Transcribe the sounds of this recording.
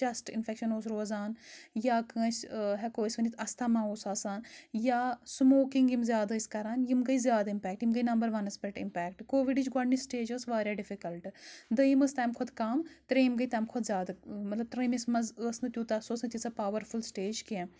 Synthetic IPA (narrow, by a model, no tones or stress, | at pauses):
d͡ʒɐsʈɪ̰nfʰekʃɐnoːs̬ɾoːzaːnjaːkə̃ːt͡ʃɦɛkoːisʲʋɐnit̪ʰɐst̪ʰaːmãːoːsaːsaːnjaːsmoːkĩŋɡimzʲjaːd̪ɐiskɐɾaːnjimɡɐizjaːd̪aimpɛːk̚ʈjimɡɐinɐmbɐɾʋɐnɐspeʈɪ̰mpɛːk̚ʈkoːʋiɖit͡ʃʰɡɐɽnːisʈeːd͡ʒəːsʋaːɾjaːɖifikɐlʈd̪ɐjiməst̪aːmkʰʊd̪kɐmt̪ɾɐjimɡɐit̪ɐːmkʰʊd̪zʲjaːd̪mɐt̪lɐb̚t̪ɾɐmismɐzəːsnɨt̪ʲjuːt̪ɐsoːsnɨt̪ʲisapaːʋɐɾfʰulsʈeːd͡ʒkiẽ